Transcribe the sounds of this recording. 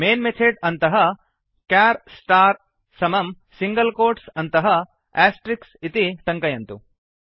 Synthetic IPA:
meːnmet̪ʰeːɖɐnt̪ɐɦɐ | kaːɾsʈaːɾ | sɐmɐm | siŋɡɐlkoːɾʈsɐnt̪ɐɦɐ | aːsʈɾiksit̪iʈɐŋkɐjɐnt̪u

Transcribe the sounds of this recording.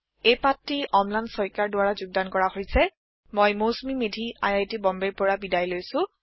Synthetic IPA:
ejpatːiʔɔmlansɔɹjkaɹdʊwaɹazʊɡ̚dankɔɹahoɹjsɛ | mojmosmimedʱia̰jajtibɔmbeɹpʊɹabidajlojsʊ̃

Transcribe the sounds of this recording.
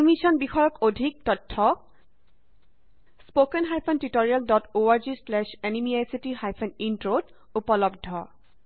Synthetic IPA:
misɔnbixɔjɔkodʱik̚tɔtʰːɔ | spokɛnɦajpʰɔntitoɹialdɔtoaɹd͡ʒislɛʃenimiajsitiɦajpʰɛnintɹod | upɔlɔb̚dʱɔ

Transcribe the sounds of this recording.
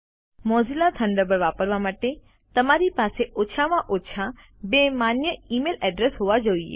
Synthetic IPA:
moːzilat̪ʰɐ̃ɳɖəbəɾʋaːpəɾʋamaːʈe | t̪ɐmaɾipaːseʔoːʃʰamãʔoːtːʃʰa | beːmaːnjəiːmeːlɛːɖɾesɦuʋad͡ʒoiḛː

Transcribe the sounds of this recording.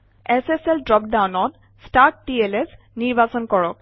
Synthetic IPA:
eseseldɹɔp̚dawnɔt | staɹʈ̚ːieles | niɹbasɔnkɔɹɔk̚

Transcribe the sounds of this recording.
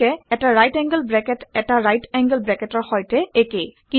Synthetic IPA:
ɛɛtaɹajtɛ̃ŋɡəlbɹɛkɛtɛtaɹajtɛŋɡəlbɹɛkɛtɔɹxɔjtɛekejki

